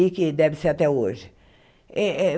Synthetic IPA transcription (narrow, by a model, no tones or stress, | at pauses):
ikɪd̪ɛvɪseɾat̪ɛoʒɪ | ɛɛ